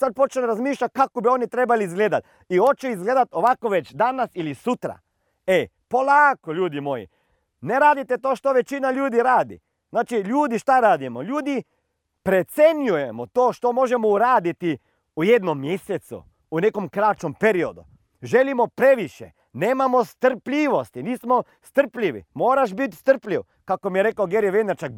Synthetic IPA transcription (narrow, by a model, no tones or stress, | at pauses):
sad̪̚po̞t͡ʃlɾazmiːʃʎakakobio̞nit̪ɾe̞baliːzɡleːd̪at̪ | io̞t͡ʃoizɡle̞ːd̪at̪o̞ʋakoʋe̞t͡ʃd̪anasilisut̪ɾa̰ | e | po̞lˠaːkoʎuːd̪imo̞jḭ | neɾaːd̪it̪e̞t̪o̞ːʃt̪o̞ʋe̞t͡ʃinaʎuːd̪iɾaːd̪ḭ | znaːt͡ʃiʎuːd̪iʃt̪aɾaːd̪imoʎuːd̪i | pɾet̪senjujemot̪oːʃt̪omoʒɛmouɾaːd̪it̪i | ujed̪nomːjesɛt̪sṵ | unekomkɾat͡ʃompeɾiod̪ṵ | ʒelimopɾeʋiʃjɛ | neːmamost̪r̩plʲiːʋost̪iniːsmɔ | st̪r̩plʲiʋḭmoːɾaʃbit̪st̪ərplʲiw | kakomijɛɾekawɡeɾiʋenɛɾt͡ʃak̚